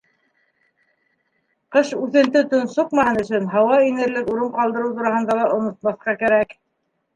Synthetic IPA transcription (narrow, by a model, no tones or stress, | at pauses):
qɤʃʉθɘ̆nt̪ɘt̪ŏnsuqmɑhɤnɵ̆ʃɘnɦɑwɑinɘ̆ɾlɘkuɾɤɴqɑlˠd̪ɤ̆ɾɤwt̪uɾɑhɤ̆nd̪ɑlˠɑʔŏnŏt̪̚mɑθqɑkæɾæk